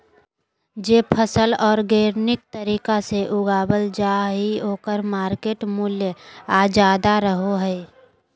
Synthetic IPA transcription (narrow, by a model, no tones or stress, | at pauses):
d͡ʒeːpʰəsəlɔːɾɡeːɾnɪk̚t̪əɾiːkaseʔʊɡaːbəld͡ʒaɦioːkəɾmaːɾkeːʈmʊljəaːd͡ʒaːd̪aɾəɦoɦɛː